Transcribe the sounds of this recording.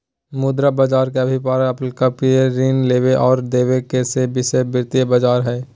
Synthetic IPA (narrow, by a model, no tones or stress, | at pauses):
mʊd̪ɾabəd͡ʒaːɾkeɐbʱip̬aːɾaɐplkapieɾiːnleːweʔɔːɾd̪eːwekesebɪsebɪɾt̪ijebɐd͡ʒaːɾɦɛː